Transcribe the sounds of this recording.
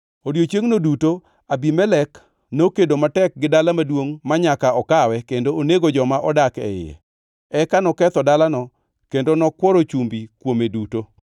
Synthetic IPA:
odjot͡ʃjeŋnoduto | abimɛlɛk | nokedomatɛk̚ɡɪdalamadwoŋmaɲakaɔkawɛkendooneɡod͡ʒɔmaʔɔdakɛ̰ɪ̰jɛ̰ | ɛkanɔkɛt̪ɔdalanɔ | kendonɔkwɔɾot͡ʃumbikwomeduto

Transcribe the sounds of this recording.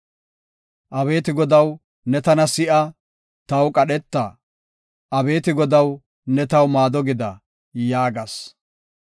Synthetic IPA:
ʔɐβe̞ːt̪ɪɡɔd̪ɐw | nɛt̪ɐnɐsɪʔɐ | t̪ɐwkʼɐɗɛt̪ːɐ | ʔɐbe̞ːt̪ɪɡɔd̪ɐw | nɛt̪ɐwmaːd̪ɔɡɪd̪ɐ | jaːɡɐs

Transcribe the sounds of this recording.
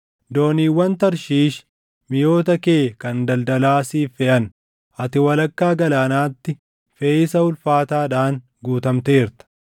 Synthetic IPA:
d̪o̞ːniːwːɐnt̪ɐɾʃiːʃ | mɪjo̞ːt̪̬ɐkeːkɐnd̪ɐld̪ɐlaːsiːfɛʔɐn | ʔɐt̪ɪwɐlɐkːaːɡɐlaːnaːt̪ːɪ | feːɪsɐʊlfaːt̪aːᶑaːn | ɡuːt̪ɐmt̪eːɾt̪ɐ̥

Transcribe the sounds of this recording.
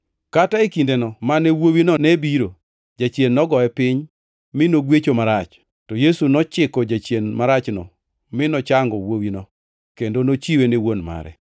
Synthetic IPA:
kataikindenɔmanewowinɔnebiɾo | d͡ʒat͡ʃjenːɔɡɔɛpɪɲ | mɪnoɡwet͡ʃomaɾat͡ʃ | tɔjesunɔt͡ʃɪkɔd͡ʒat͡ʃjenmaɾat͡ʃnɔ̰ | mɪnɔt͡ʃaŋɡɔwowinɔ | kendonot͡ʃiwenewonma̰ɾɛ̰

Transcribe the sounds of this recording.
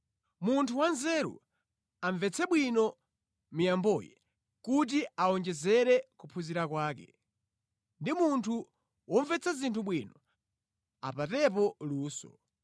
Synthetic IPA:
muntʰuwanzɛɾṵ | aɱvɛt͡sʰɛɓwinɔ | mijambɔjɛ̰ | kut̬iaɔnd͡ʒɛzɛɾɛkupʰuziɾakwaːkɛ | ndimuntʰu | wɔɱvɛt͡sʰazintʰuɓwinɔ | a̰patɛp̬ɔluːsɔ̰

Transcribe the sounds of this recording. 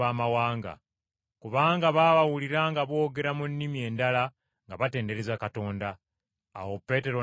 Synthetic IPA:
aːmawaːŋɡa̰ | kuβaːŋɡaβaːβawuliɾaŋɡaβo̞ːɡe̞ɾamunːimie̞ːndala | ŋɡaβate̞ːnde̞ɾezakato̞ːnda̰ː | wopːe̞te̞ɾo̞

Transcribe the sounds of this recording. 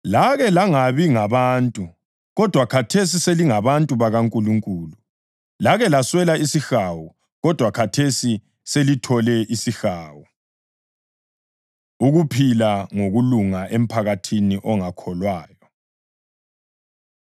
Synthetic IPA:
laɣɛlaŋaβiŋaβantʼu | ɣɔd̥ʱwakʰatʰes̬iseliŋaβantʼuβaɣaŋkʼuluŋkʼuːlu | laɣɛlaswɛlaisixawɔ | ɣɔd̥ʱwakʰatʰesi | selitʰɔlɛʔisixaːwɔ | uɣupʰilaŋoɣuluŋaʔem̩pʰaɣatʰiniʔɔŋakʰɔlwaːjɔ

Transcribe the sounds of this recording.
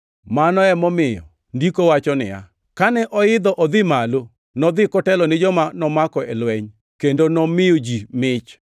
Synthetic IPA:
manɔɛmɔmɪjɔ̰ | ndikowat͡ʃɔnɪ̰ja̰ | kanɛʔɔɪd̪ɔʔɔd̪ɪmalo | nɔd̪ɪkɔtɛlɔnɪd͡ʒɔmanɔmakɔɛlwɛɲ | kendonɔmɪjod͡ʒimɪt͡ʃ

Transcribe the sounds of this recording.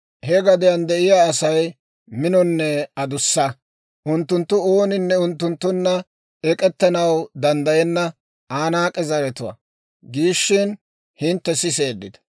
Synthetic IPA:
hɛɡɐd̪ɪjɐnd̪ɛʔɪjaːsɐj | mɪnɔnːɛɐd̪ʊsːɐ | ʔʊnt̪ːʊnt̪ːʊo̞ːnɪnːɛʊnt̪ːʊnt̪ːʊnːɐ | ɛkʼɛt̪ːɐnɐwd̪ɐnd̪ɐjɛnːɐ | ʔaːnaːkʼɛzɐɾɛt̪ʊwɐ̰ | ɡiːʃːɪn | hɪnt̪ːɛsɪse̞ːd̪ːɪd̪ɐ̥

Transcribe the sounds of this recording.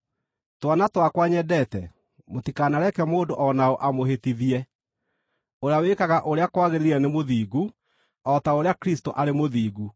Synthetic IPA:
twanatwakwaɲɛdɛtɛ̰ | motikaːnaɾɛkɛmoːndoʔɔnaoʔamoɦetiðiɛ | oɾeawekaɣaʔoɾeakwaɣeɾeɾiɾɛnemoðiːɡu | ɔtaoɾeakɾistoʔaɾemoðiːɣu

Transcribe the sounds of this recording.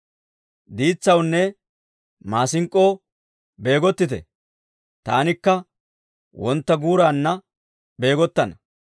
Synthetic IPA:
d̪iːt͡sːɐwnːɛ | maːsɪŋkʼːo̞ː | be̞ːɡɔt̪ːɪt̪ɛ̰ | t̪a̰ːnɪkːɐ | wɔnt̪ːɐɡuːɾaːnːɐ | be̞ːɡɔt̪ːɐnɐ

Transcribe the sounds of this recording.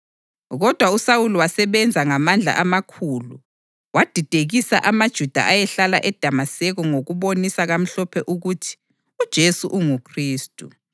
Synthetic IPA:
ɣɔd̥ʱwausawuluwasɛβɛnd͡zʱaŋamand͡ɮʱa̰ʔamakʰuːlu | wad̥ʱid̥ʱeɣisa̰ʔamad̥ʒ̥ʱud̥ʱa̰ʔajɛɬalaʔɛd̥ʱamasɛɣɔŋoɣuβonisaɣam̩ɬɔpʰɛʔuɣutʰi̥ | ud̥ʒ̥ʱesuʔuŋukʰriːstʼu

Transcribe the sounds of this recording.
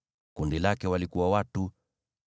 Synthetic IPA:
kundilakɛwalikuwawatu

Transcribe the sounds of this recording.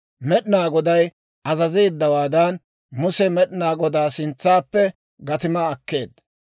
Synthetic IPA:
mɛɗɪnaːɡɔd̪ɐj | ɐzɐziːd̪ːɐwaːd̪ɐn | mʊsɛmɛɗɪnaːɡɔd̪aːsɪnt͡sːaːpːɛ | ɡɐt̪ɪmɐːkːe̞̰ːd̪ɐ

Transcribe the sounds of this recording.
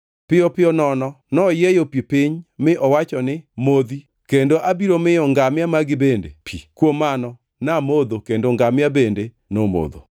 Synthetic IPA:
pɪɔpɪɔnɔnɔ | nɔjejopipɪɲmɪʔɔwat͡ʃɔnɪmod̪i | kendoʔabiɾomɪjɔŋɡamɪamaɡɪbendḛpʰḭkwomːanɔ | namod̪okendoŋɡamɪabende | nomo̰d̪o̰

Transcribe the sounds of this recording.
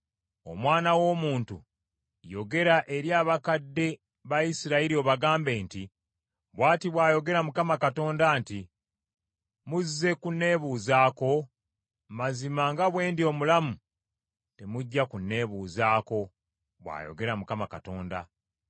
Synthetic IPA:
o̞̰mwaːnawo̞ːmuːntu | jo̞ɡe̞ɾaʔe̞ɾjaːβakadːe̞ | βajisiɾaiɾio̞βaɡaːmbe̞ːnti | βwaːtiβwaːjo̞ɡe̞ɾamukamakato̞ːndaːnti | muzːe̞kunːe̞ːβuːzaːko̞ | mazimaŋɡaβwe̞ːndio̞ːmulamu | te̞muɟːakunːe̞βuːzaːko̞ | βwa̰ːjo̞̰ɡe̞ɾamukamakato̞ːnda̰

